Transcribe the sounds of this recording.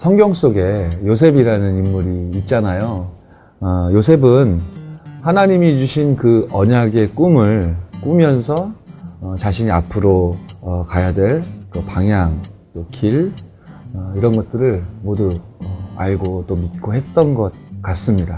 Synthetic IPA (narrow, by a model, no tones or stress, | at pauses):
sʰʌŋɡjʌŋs͈oɡe̞jos̬ʰe̞biɾanɯnimːuɾiːt̚t͡ɕ͈anajo | ʌjosʰe̞bɯnhanaɲimit͡ɕuɕʰinkɯʌɲaɡe̞k͈umɯɭk͈umjʌnsʰʌʌt͡ɕaɕʰiɲiapʰɯɾokajadwe̞ɭkɯpaŋɦjaŋt͈okʰiɭ | ʌiɾʌnɡʌt̚t͈ɯɾɯɭmoduʌaɭɡot͈omit̚k͈oɦe̞t̚t͈ʌnɡʌt̚k͈as͈ɯmɲida